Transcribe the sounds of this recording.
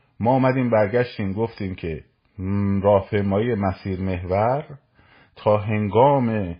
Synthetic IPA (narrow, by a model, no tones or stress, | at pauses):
mɒːumæd̪iːmbæɾɟæʃt̪iːmɡoft̪iːmcʰe̞ | ɾɒːhpʰejmɒːijemæsiːɾme̞hvæɾ | t̪ʰɒːɦe̞ŋɡɒːme̞